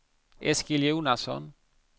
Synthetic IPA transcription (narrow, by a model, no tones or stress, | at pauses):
eskiljewnaso̰n